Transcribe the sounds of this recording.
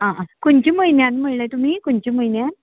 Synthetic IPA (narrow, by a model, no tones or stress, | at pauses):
ãkunt͡ɕiməjnjanməɭləjt̪um̤iːkunt͡ɕiːməjnjan